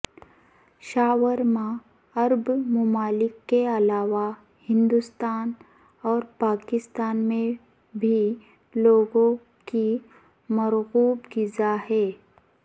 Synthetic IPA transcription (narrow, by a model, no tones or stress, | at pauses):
ʃaːwəɾmã | ɐɾbmʊmaːlɪkːeɐlaːʋa | hɪ̃nd̪ʊst̪aːn | ɔːɾpaːkɪst̪aːnmẽ | bʱi | loːɡõ | ki | mɐɾɣuːbɡɪzahɛː